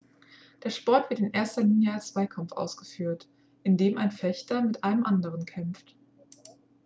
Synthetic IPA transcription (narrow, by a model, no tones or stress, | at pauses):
d̥eːɐʃpɔɐtv̥ɪɐtɪnʔeːɐstɐliːnjəalst͡sv̥aɪkʰamfʔa̰ʊsɡ̥əfyːɐt | ʔɪndeːmʔaɪnfɛçtɐmɪtʔaɪnəmʔandəʁ̞ənkʰɛmft